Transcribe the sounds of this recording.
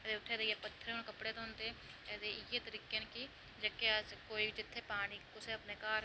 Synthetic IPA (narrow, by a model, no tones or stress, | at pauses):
d̪eːʊt̪ʰːeːd̪ejepət̪ʰːəɾeɦʊnkəpɽeːt̪oɦʊnt̪e | ɛːd̪eɪjeːt̪əɾiːkeːnki | d͡ʒəkeəskoːid͡ʒɪt̪ʰːeːpaːniːkʊseəpneːkaːɾ